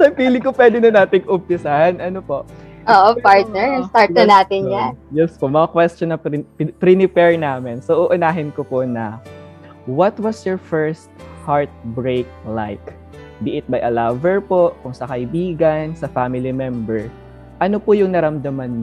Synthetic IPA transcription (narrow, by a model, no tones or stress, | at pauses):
sɐpiːlɪŋkopwɛːd̪ɪnɐnaːt̪ɪŋʔʊb̚t̪ɪsahɐnʔɐnopoʔʔoːʔopaɹt̪̚nɛɹɐŋst̪aɹt̪jɐnaːt̪ɪnjanjɛspomɐŋakwɛst̪onɐppɾinɪpɛɹnaːmɪnsoʔʊʔʊnaːɦɪnkoponɐ | wɐt̪wɐsjɔɹfɛɹst̪̚haɹt̪̚bɹejk̚lajk | bɪʔɪt̪̚bɐjʔɐlavɛɹpo̞kʊŋsɐkɐʔɪbiːɡɐnsɐfaːmɪlimɛmbɛɹ | ʔɐnopʊjʊŋnɐɾɐmd̪ɐmanː